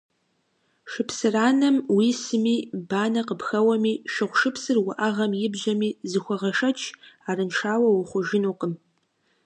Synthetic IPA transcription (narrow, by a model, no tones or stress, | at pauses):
ʃɨpsɨraːnɐmwiːsɨmiːbaːnɐqəpxɐwɐmiːʃɪχʷʃɨpʰsɨrwʊʔɐʁɐmjɪbʑɐmiːzɨxʷɔʁɐʂɐt͡ʃʰaːrɨnʃaːwɐwʊχʷʊʒɪnuːqəm